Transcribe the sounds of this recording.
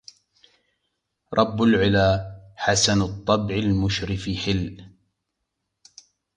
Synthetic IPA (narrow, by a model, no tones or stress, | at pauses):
ɾˤʔɑbːalʕɪlaːħasanʊt̪ˤːɑbʕɪlmʊʃɾɪfɪħɪl